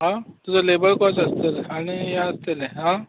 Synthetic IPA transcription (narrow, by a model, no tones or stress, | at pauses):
ɦãt̪ud͡zalebəɭkɔsəst̪elaɽ̃iɦaəst̪eleɦã